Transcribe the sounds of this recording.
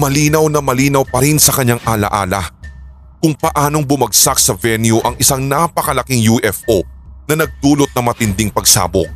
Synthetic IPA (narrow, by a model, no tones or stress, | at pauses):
mɐliːnɐwnɐmɐliːnɐwpɐɾɪnsɐkɐɲːaŋʔaːlɐ̰ʔaːlɐ | kʊŋpɐʔaːno̞ŋbʊmɐɡsak̚sɐvɛnjuʔɐŋɪsaŋnapɐkɐlɐkiŋjuʔɛfʔonɐnɐɡ̚d̪uːlo̞t̪̚nɐŋmɐt̪ɪnd̪ɪŋpɐɡ̚sa̰ːbo̰k̚